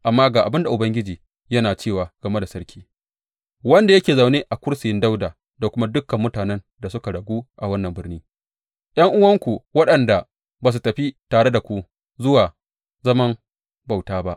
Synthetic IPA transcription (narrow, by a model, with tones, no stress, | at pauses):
ʔa˨mːaː˦ɡaː˨ʔa˨bɪ˦nda˨ʔʊ˨bɐ˦ŋɡʲɪ˦d͡ʒiː˨ | jɐ˦naː˨t͡ʃeː˦˨waː˨ɡ̥ɐ˨me˦da˨sɐ˦ɾkʲi̥ː˦ | wɐ˦nda˨jɐ˦kʲeː˨za˨wneː˦ʔa˨kʷʊ˦ɽsɪ˨jɪ˦nda˦wdaː˨ | da˨kʷʊ˦ma˦dʊ˦kːɐ˨mːʊ˦taː˨nɛ˦n | da˨sʊ˦ka˨ɽɐ˨ɡʷuː˦ʔa˨wɐ˦nːɐ˨mbɪ˦ɽniː˦ | j̰ɐ˦ŋʔʊ˦wɐ˦ŋkʷu˨wɐ˦ɗɐ˨nda˨ | baː˨s̬u˨tɐ˨ɸi˦taː˨ɽe˦da˨kʷu˦ | zʊ˦waː˨ | zɐ˦mɐ˦m | ba˨wtaː˦ba˦ʔ